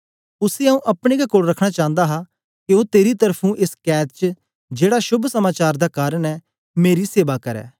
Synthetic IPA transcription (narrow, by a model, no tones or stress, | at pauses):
ʊseɐũʔɐpɽ̃eɡakoːɽɾɐkʰɽ̃at͡ʃãːnd̪aɦa | kiot̪eːɾit̪̬ɐɾpʰũʔeskɛːtt͡ʃə | d͡ʒeːɽaʃʊbʱsɐmaːt͡ʃaːɾd̪akaːɾəɽ̃ɛː | meːɾiseːʋakɐɾɛ̰ː